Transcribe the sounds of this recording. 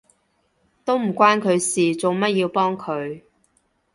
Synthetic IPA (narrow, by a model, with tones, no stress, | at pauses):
t̪o˥wm̩˨˩kʷwaː˥nkʰɵ˨˧ɥsiː˨t͡so˨wmɐ˥t̚jiː˧wpɔː˥ŋkʰɵ˨˧ɥ